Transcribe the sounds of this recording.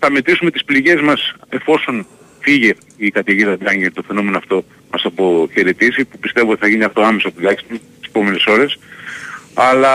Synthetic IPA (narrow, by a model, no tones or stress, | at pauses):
θɐme̞t̪ɾisume̞t̪ispliʝe̞zmɐse̞fo̞so̞n | fiʝe̞ | ikɐt̪iʝiðɐd̪ɐŋʝint̪ofe̞no̞me̞noɐft̪o̞ | mɐsɐpo̞çe̞ɾet̪isipupist̪e̞vuot̪iθɐʝiniɐft̪o̞ɐme̞sɐpot̪ilɐçi̥st̪ut̪ise̥po̞me̞ne̞so̞ɾe̞s | ɐlɐ